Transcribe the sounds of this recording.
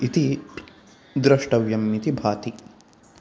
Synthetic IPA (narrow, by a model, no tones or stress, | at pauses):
it̪i | d̪ɾɐʂʈɐʋjɐmːit̪ibʱaːt̪i